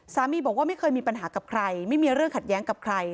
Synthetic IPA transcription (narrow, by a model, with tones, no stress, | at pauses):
saː˨˩˦miː˧bɔː˨˩kwa˥ma˥˩jkʰɤː˧jmiː˧pa˧nɦaː˩˦ka˨˩p̚kʰɾa˧jma˥˩jmiː˧ɾɯ˥˩əŋkʰa˨˩t̪̚jɛː˦˥ŋka˨˩p̚kʰɾa˧j